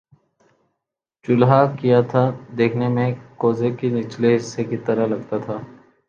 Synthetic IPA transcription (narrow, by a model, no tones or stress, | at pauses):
t͡ʃʊlɦakijat̪ʰad̪eːkʰnemẽkoːzekinɪt͡ʃleɦɪsːekit̪ɐɾaɦlɐɡt̪at̪ʰaː